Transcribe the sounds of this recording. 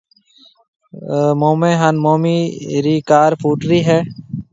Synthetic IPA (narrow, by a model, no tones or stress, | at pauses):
moːmẽːɦaːnmoːmiːɾiːkaːɾpʰuːʈɾiːɦɛː